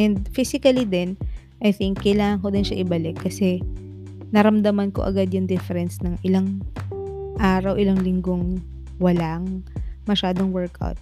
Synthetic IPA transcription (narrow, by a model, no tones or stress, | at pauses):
ʔɛnd̪̚fisɪkɐlid̪ɛn | ʔɐjθɪŋkːɐjlaːŋɐŋko̞d̪ɪnʃɐʔɪbɐlɪkːɐsɛ | nɐɾɐmd̪ɐmɐnko̞̰ʔɐ̰ɡad̪jʊŋd̪ɛfɛɾɛnsnɐŋʔɪlaŋ | ʔaːɾɐwʔɪlaŋlɪŋɡoŋ | wɐlaŋmɐʃaːd̪oŋwɛɹkʔa̰wt̪̚